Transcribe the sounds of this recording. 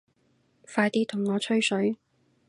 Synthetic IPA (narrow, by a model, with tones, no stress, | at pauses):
faː˧jt̪iː˥t̪ʰʊ˨˩ŋːɔː˨˧t͡ʃʰɵ˥ɥsɵ˨˥ɥ